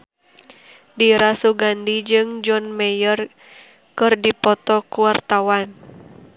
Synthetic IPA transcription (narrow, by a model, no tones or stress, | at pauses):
diɾasuɡandid͡ʒɨŋd͡ʒɔnmɛjər | kɨrdipɔt̪ɔkuwart̪awan